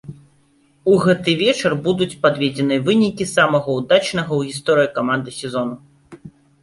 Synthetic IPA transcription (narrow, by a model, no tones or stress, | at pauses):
uɣɛt̪ɨvʲɛt͡ʂɐrbud̪ut͡sʲpad̪vʲed͡zʲɛnɨɐvɨnʲikʲisamɐɣɐwd̪at͡ʂnɐɣɐwɣʲist̪ɔɾɨjikamand̪ɨsʲɛzɔnu